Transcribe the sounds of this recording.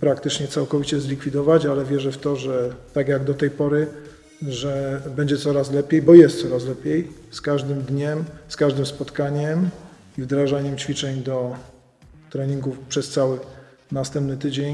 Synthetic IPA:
pɾakt̪ɘt͡ʂɲɛt̪sawkɔvʲit͡ɕɛzlʲikfʲid̪ɔvat͡ɕalɛvʲjɛʐɛft̪ɔʐɛt̪aɡjaɡd̪ɔt̪ɛjpɔɾɘ | ʐɛbɛɲd͡ʑɛt̪sɔɾas̬lɛpʲjejbɔjɛst̪sɔɾaslɛpʲjejskaʐd̪ɘmd̪ɲɛmskaʐd̪ɘmspɔt̪kaɲɛm | ivd̪ɾaʐaɲɛmt͡ɕfʲit͡ʂɛɲd̪ɔ | t̪ɾɛɲiŋɡufpʂɛst̪sawɘ | nast̪ɛmp̚nɘt̪ɘd͡ʑeɲ

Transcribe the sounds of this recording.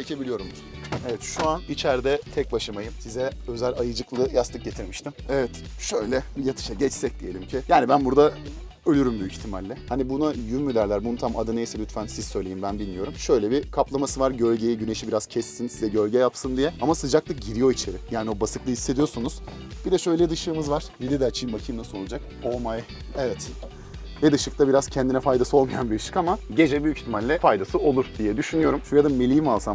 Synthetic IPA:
t͡ʃʰecʰe̞bilʲijo̞ɾum | evɛt̪ʃuanit͡ʃʰæɾd̪ɛt̪ʰɛc̚baʃɯmajɯmsizɛø̞zælʲajɯd͡ʒɯklˠɯjast̪ɯk̚ɟe̞t̪ʰiɾmiʃt̪ʰimɛvɛt̪ | ʃø̞jlʲɛbijat̪ʰɯ̥ʃaɟɛt͡ʃsɛc̚d̪ije̞lʲimcʰɪjaːnibænbuɾd̪a | ø̞lʲyɾymbyjycçt̪ʰimalʲːɛhanibunajymːyd̪ʲæɾlʲæɾbununt̪ʰamad̪ɯnejsɛlʲyt̪fænsizsø̞jlejimbænbilʲmijo̞ɾumʃø̞jlʲɛbikʰaplˠamasɯvaɾɟø̞lʲɟe̞jɛɟyne̞ʃibiɾaz̥cʰɛsːinsizɛɟølʲɟɛjapsɯnd̪ijɛamasɯd͡ʒaklˠɯk̚ɟiɾijo̞it͡ʃʰe̞ɾɪjaːnio̞basɯklˠɯisːed̪ijo̞ɾsunuz̥ | b̥id̪ɛʃø̞jlʲɛd̪ɯʃɯːɯmɯzvaɾ̥bid̪ɛd̪ɛat͡ʃʰijimvacʰijmnasɯolˠd͡ʒak | o̞lˠmaj | evɛt̪ | vɛd̪ɯʃɯk̚t̪ʰabiɾaz̥cʰɛnd̪inɛfajd̪asɯo̞lˠmajanbiɾɯʃɯ̥kamaɟe̞d͡ʒɛbyjyci̥çt̪ʰimalʲːɛfajd̪asɯo̞lˠuɾd̪ijɛd̪yʃynyjo̞ɾumʃujad̪ame̞lʲijimvalˠsam

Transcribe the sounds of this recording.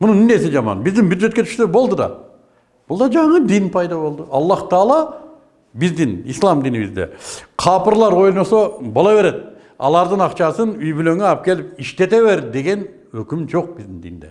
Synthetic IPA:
mʊnənɪneseʒɑmɑ̰nbɪzd̪ɪŋbjud̪ʒe̞t̪kʲe̞t̪ʰʃsebolˠd̪əd̪ɑ̰ | b̥ʊlˠd̪ɑʒɑɴəd̪inpʰɑjd̪ɑbo̞lˠd̪əɑlˠːɑht̪ʰɑlˠɑ | bɪzd̪ɪnijslˠɑmd̪ijnibɪ̰zd̪ḛqʰɑpəɾlˠɑɾwojnosobolˠɑβe̞ɾe̞d̪ɪ | ɑ̰lˠɑɾd̪əɴɑqt͡ʃɑsənʏjbɪlø̞ŋeɑp̚kʲʰe̞lɪpɪʃt̪e̞t̪e̞βe̞ɾd̪e̞ɡʲe̞n | wɵkʲɪmʒo̞q̚bɪzd̪ɪŋd̪ḭjnd̪ḛ

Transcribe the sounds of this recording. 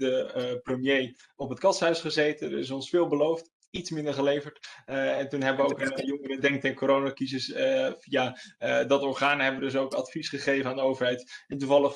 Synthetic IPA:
dəprəmjej | ɔpɦətkɑtsɦœɥsχəzejtənə̰ɹɪs̬ɔnsfɪːlˠbəlowft | itsmɪndəɹχəlejvəɹtɛntunɦɛbəʋəowkənjɔŋəɾədɛŋk̚tɛnkoɾownakizəsfijadɑtɔɹχaːnɦɛbəʋədɵs̬owkɑ̰tfisχəχejvənaːndəowvəɹɦɛjtɪntuvɑlˠəf

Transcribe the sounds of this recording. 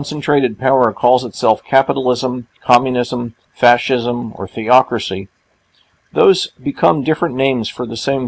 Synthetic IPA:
nsn̩tʰɹ̥eɪɾɨd̚pʰaʊə˞kʰɔlˠzətsɛlˠfkʰæpəɾl̩ˠɪzə̃mkʰɑmjɨnɪzə̃m | fæʃɪzə̃mə̰˞θiɑkɹɨsi | ðoʊzbɨkʰʌ̃mdɪfɹɨ̃nːẽɪ̃mz̥fə˞ðɨsẽɪ̃m

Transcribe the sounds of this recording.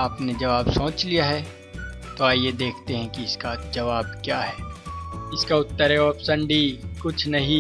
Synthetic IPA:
aːpned͡ʒɐʋaːbsõːt͡ʃlijaɦɛː | t̪oaːjed̪eːkʰt̪eɦɛ̃kiɪskad͡ʒɐʋaːbkjaːɦɛːɪskaʊt̪ːəɾɛɔpsɐ̃ɳɖikʊt͡ʃʰnɐɦĩ

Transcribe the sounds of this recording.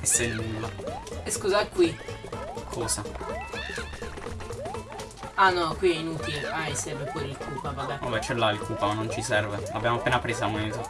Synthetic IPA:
esːenulːaeskuːzakːwi | kʰɔːza | anɔkwiajnuːt̪iajsɛɾvepɔːɾilkʰuːpavabaa̰bɛt͡ʃɛlːailkuːpamanːont͡ʃisɛrvelabːjaːmoapːeːnapɾeːsaamoneːt̪o

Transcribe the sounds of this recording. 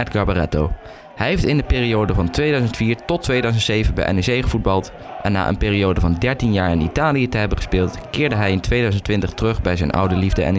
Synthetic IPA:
ɛdɡɑɹbarɛ̰tow | hɛjɦejftɪndəpɪːriowdəvɑntʋejdœɥzəntfiːɹtɔtːʋejdœɥzəntsejvənbɛ̰jʔɛ̰nɛsejχəvud̚bɑlˠt | ʔɛnːa̰ːʔə̰npeːriowdəvɑndɛɹtinjaːɹɪnḭtaːlijətəɦɛbənχə̥spɪːlˠtkɪːɹdəɦɛjɪntʋejdœɥzəntʋɪntəχtərɵχbɛjzɛjnʔɑ̰wdəlivdəɛ̰n

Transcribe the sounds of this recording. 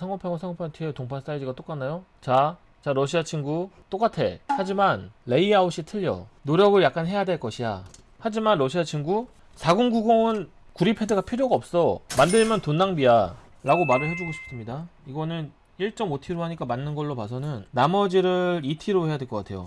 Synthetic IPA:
sʰaŋʌpʰjaŋwsʰaŋopʰatʰietoŋpʰas͈aid͡ʑiɡat͈ok͈anːajo | t͡ɕa | t͡ɕaɾʌɕʰiat͡ɕʰinɡut͈ok͈atʰe̞̰had͡ʑimanːe̞iauɕ͈ʰitʰɯʎːʌ̰noɾjʌɡɯɭjak͈̚anɦe̞jadwe̞ɭk͈ʌɕʰida̰ | had͡ʑimanɾʌɕʰiat͡ɕʰiŋɡu | sʰaɡuŋɡuɡoɯn | kuɾipʰe̞dɯɡapʰiɾjoɡaʌp̚s͈ʌmandɯɭmjʌntonːaŋbia | ɾaɡomaɾɯɭhe̞d͡ʑuɡoɕʰi̥p̚s͈ɯmɲidaiɡʌnɯn | iɭt͡ɕ͈ʌmotʰiɾoɦaɲik͈amanːɯnɡʌɭːopasʰʌnɯnːamʌd͡ʑiɾɯɾitʰiɾohe̞jadwe̞ɭk͈ʌk͈atʰe̞jo̰

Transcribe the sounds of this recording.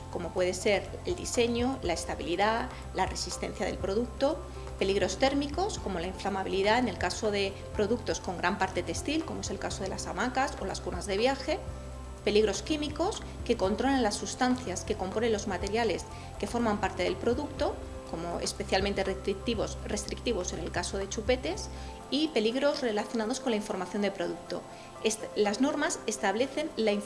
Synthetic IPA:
ko̞mo̞pwe̞ð̞e̞se̞ɾ | eld̪ise̞ɲo̞laest̪aβiliða | lare̞sist̪e̞̰n̟θjaðelpɾo̞ðuk̚t̪o | pe̞liɣɾo̞st̪e̞ɾmiko̞sko̞mo̞laiɱflamaβiliðaene̞lkaso̞ðe̞ | pɾo̞ðukt̪o̞sko̞ŋɡɾampaɾt̪e̞t̪e̞st̪ilko̞moese̞lkaso̞ð̞e̞lasamakaso̞laskunazðe̞β̞jaxe̞ | pe̞liɣ̞ɾo̞skimiko̞s | ke̞ko̞nt̪ɾo̞lanlasːust̪an̟θjaske̞ko̞mpo̞ne̞nlo̞zmat̪e̞ɾjale̞s | ke̞fo̞ɾmãmpaɾt̪e̞ðe̞lpɾo̞ðukt̪o̞ | ko̞mo̞e̞̰spe̞θjalmẽnt̪e̞re̞st̪ɾik̚t̪iβo̞sre̞st̪ɾik̚t̪iβo̞se̞ne̞lkaso̞ð̞e̞t͡ʃupe̞t̪e̞s | ipe̞liɣɾo̞zre̞laθjo̞nað̞o̞skonlaiɱfo̞ɾmaθjo̞nd̪e̞pɾo̞ðuk̚t̪o̞̰ | lazno̞ɾmase̞st̪aβle̞θe̞nlaiɱ

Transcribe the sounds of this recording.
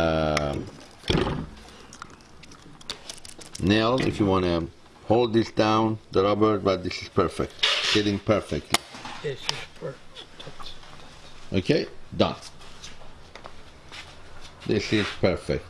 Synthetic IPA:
nɛlˠɪ̰fjɨwɑ̃nɨ | hoʊlˠd̪ðɪsd̥ãʊ̃nðəɹɑbə˞t̚bʌt̪̚ðɪsɪz̥pʰɛ˞fɛ̰k̚tsɪɾɪ̃ŋpʰɜ˞fɛk̚tʰˡlisʰ | ʔo̰kʰeɪdʌ̰̃nt | ðɪsɪzpʰɜ˞fɛ̰k̚t

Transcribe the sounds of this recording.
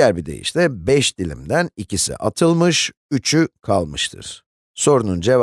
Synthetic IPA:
æɾbid̪e̞̰jḭʃt̪ɛbɛʃd̪ilʲḭmd̪ænicisḭʔat̪ʰɯlˠmɯʃ | yt͡ʃʰykʰalˠmɯʃt̪ʰɯ̰ɾ̥ | so̞ɾunund͡ʒe̞v

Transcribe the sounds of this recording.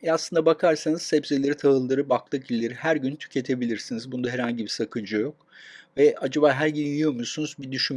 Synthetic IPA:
ɛaslɯnd̪abakʰaɾsanɯz̥sɛpselʲeɾit̪ʰaɦɯlˠːaɾɯbaklˠɯkilʲːe̞ɾihæɾɟynt̪ʰy̥cʰe̞t̪ʰe̞bilʲiɾsinizbund̪aɦeɾhaɲɟibisakʰɯnd͡ʒɯjo̞k̚ | vɛad͡ʒaβaːɦæɾɟynjyjomusunuzbid̪yʃym

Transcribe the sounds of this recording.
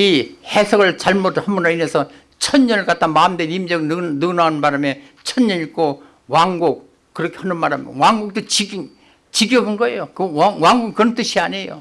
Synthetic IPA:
ihesʰʌɡɯɭt͡ɕaɭmotʰhambunɯɭinesʰʌ | t͡ɕʰʌnɲʌnɯɭk͈at͈ʰamaːmdeimd͡ʑʌɡɯnɯnanɯnbaɾame | t͡ɕʰʌnɲʌnik͈o | waŋɡuk̚ː | ɯɾʌkʰehʌnɯnmaɾamwaŋɡuk̚t͈ot͡ɕiɡi | t͡ɕiɡjʌɡɯnɡʌḛjokɯwaŋwaŋɡuɡkɯɾʌnt͈ɯɕʰiaɲe̞jo̰

